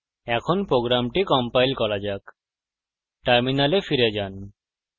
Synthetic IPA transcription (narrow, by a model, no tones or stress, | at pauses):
ɛkʰonpɾoɡɾamʈikɔmpajlkɔɾad͡ʑak | ʈaɾminalefiɾed͡ʑan